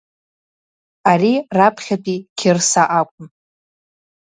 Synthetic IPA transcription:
arirapʰχʲapʰʼikʲʰɪrsaʔakʷʼʊm

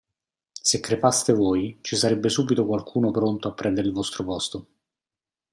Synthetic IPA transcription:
sekːɾefast̪evoːjt͡ʃisaɾɛbːesuːbit̪okwalkʰuːnopɾont̪oapːɾɛnd̪eɾɪilvɔst̪ɾopɔst̪o

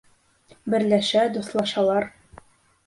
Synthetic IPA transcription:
bɘ̆ɾlæʃæd̪uθlˠɑʃɑlˠɑɾ

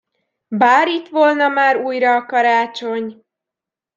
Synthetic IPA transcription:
baːɾit̪ʋolnɒmaːɾuːjɾɒːkɒɾaːt͡ʃo̞ɲ

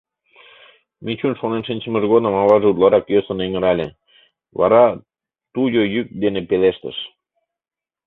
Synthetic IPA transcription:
mit͡ɕunʃonenʃinʲt͡ɕə̆mə̆ʒɣod̪ə̆mɑβɑʒeut̪lɑɾɑkjøsə̆nĕŋə̆ɾɑlʲe | βɑ̰ɾɑ | t̪ujojyk̚d̪enepeleʃt̪ə̰̆ʃ

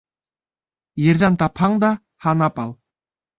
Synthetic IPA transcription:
jeɾðænt̪ɑphɑɴd̪ɑ | hɑnɑpɑlˠ

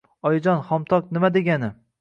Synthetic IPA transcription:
ɒjɪd͡ʒɒnχɒmt̪ʰɒknɪmad̪e̞ɡʲanɪ

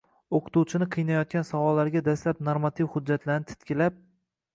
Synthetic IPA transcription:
oqʰɨ̥t̪uwt͡ʃʰɪnɪqʰɨjnajɒt̪̚kʲansawɒlːaɾɡʲad̪aslap̚noɾmat̪ʰivhʊd̚d͡ʒːat̪ʰlaɾnɪt̪ʰt̪kʲɪlap̚

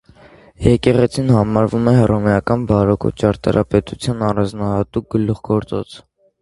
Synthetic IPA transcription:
jɛkɛʁɛt͡sʰinhɑmɑɾvumɛɦɛrɔmɛjɑkɑnbɑɾɔkʰṵt͡ʃɑɾt̪ɑ̰ɾʔɑpɛt̪ut͡sʰjɑnɑrɑnd͡znɑhɑt̪uk̚ɡəlːuχɡɔɾt͡sɔ̰t͡sʰ

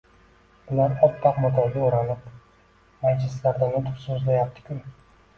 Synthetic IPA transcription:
b̥ʊlaɾɒt̪ʰːɑqmʊt̪ʰaɾɡʲaoɾanɪp | majt͡ʃʰɪslaɾd̪anat̪ʰʊ̥sozlajap̚t̪ʰɪ̥kʲʰʊn

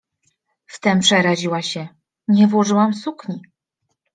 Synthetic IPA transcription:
ft̪ɛmpʂɛɾaʑiwaɕɛ | ɲɛvwɔʐɘwamsukɲi

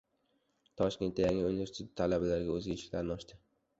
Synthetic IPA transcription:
t̪ʰɒʃkʲe̞nt̪ːajaŋunvest̪ʰt̪ʰːalabalaɾɡʲaɵzɡʲaeʃɪ̥kʲlaɾnɪɒʃt̪ʰɪ

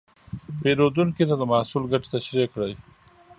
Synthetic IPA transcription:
peɾod̪uŋkit̪ad̪əmahsulɡaʈe̥t̪aʃɾekɽaj

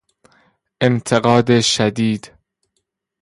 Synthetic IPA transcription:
ʔe̞mt̪ʰeɣɒːd̪eʃæd̪iːd̪

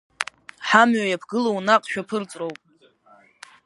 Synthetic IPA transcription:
ħamɥajapʰɡɨlownaqʼʃᶣapʰɨrt͡sʼrowpʼ

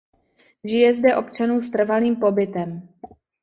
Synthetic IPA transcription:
ʒɪjɛzdɛʔo̞pt͡ʃanuːst̪r̩valiːmpo̞bɪt̪ɛm

